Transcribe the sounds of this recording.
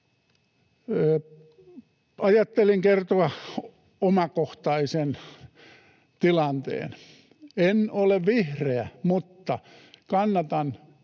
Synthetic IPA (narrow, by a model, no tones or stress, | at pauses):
ɑjɑt̪ːeliŋkert̪oɑ | omɑkoht̪ɑisen | t̪ilɑnt̪ḛːn | enoleʋʋihreæmut̪ːɑkɑnːɑt̪ɑn